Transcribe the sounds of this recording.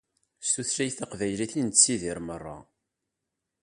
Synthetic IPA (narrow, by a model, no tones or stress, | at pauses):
st̪uθɾæjθaqvæjliθint͡sːiðiɾmərˤːɑ̰